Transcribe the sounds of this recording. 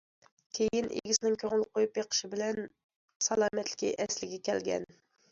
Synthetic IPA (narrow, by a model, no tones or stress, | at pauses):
kʲʰejinʔḛɡʲisɪnɪŋkʲʰøŋɪl̚qʰojupjeqʰə̥ʃɪbɪlɛn | sɑlˠɑːmɛt̪lɪ̥kʲḭʔɛslɪɡʲɛkʲʰɛlɡʲɛ̰n